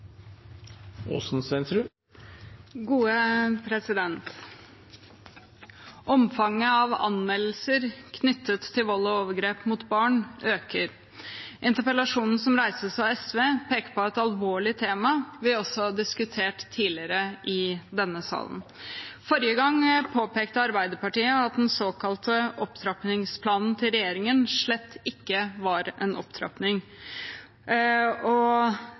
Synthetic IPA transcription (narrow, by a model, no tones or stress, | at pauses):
o̰ːsn̩sʋɛnsɾʉ | ɡuːəpʰɾɛsɪd̪ɛnt̪ | ʔɔmfɑŋːəɑʋɑ̰nmɛll̩səɾkʰnʏt̪ʰːət̪ʰːɪlʋɔlːɔoːʋəɾɡɾeːpmuːt̪bɑːɳʔøːkəɾ | ʔɪnt̪əpəlɑʂuːnn̩sɔmɾæɪsəsɑɛsʋeːpʰeːkəpʰɔɛt̪ɑlʋoːɭɪt̪ʰeːmɑʋɪɔsːɔhɑɖɪskʉt̪ʰeːʈt̪ʰːiːlɪəɾəʔɪd̪ɛnːəsɑ̰ːlə̰nfɔɾjəɡɑŋpʰoːpeːkt̪əɑɾbæɪd̪əɾpɑʈiːəɑt̪̚d̪ɛnsoːkɑlt̪əʔɔpt̪ʰɾɑpnɪŋspʰlɑːnn̩t̪ʰɪlɾɛjeːɾɪŋənʂɭɛt̪ʰːɪkːəʋɑɾɛnʔɔpt̪ʰɾɑ̰pnɪŋ | ɔ